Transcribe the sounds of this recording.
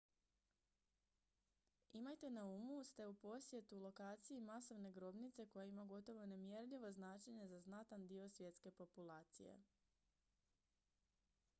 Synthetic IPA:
imajt̪e̞naumust̪e̞upo̞sje̞t̪ulˠo̞kaːt̪siimaso̞ʋne̞ɡɾo̞bnit̪se̞ko̞jaimaɡo̞t̪o̞ʋo̞nemjeɾʎiʋo̞znaːt͡ʃe̞ɲezaznat̪and̪io̞sʋje̞t̪ske̞po̞pulˠaːt̪sḭjḛ

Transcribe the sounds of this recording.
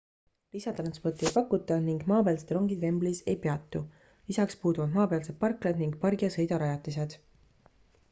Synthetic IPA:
lisɑt̪rɑnspo̞rt̪ˑiejpɑkːˑut̪ˑːɑniŋɡ̥mɑːpeːlset̪ɾo̞ŋɡie̞mblise̞̰jpeɑt̪ˑːu | lisɑkspuːd̪uvɑd̪mɑːpeɑlse̞t̪̚pɑrkːled̪niŋɡ̚pɑrɡijɑsɤ̞jd̪ɑɾɑjɑt̪ːˑis̬e̞d̪̥

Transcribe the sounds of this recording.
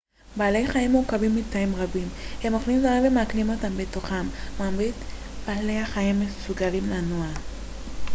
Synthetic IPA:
baːle̞jχaimukabimːit̪aimʁabimhemoχlimzamenvemeaklimo̞tambetoχamːaːmʁit̪ | b̥aːle̞jaχaimːesuɡalimlanoa

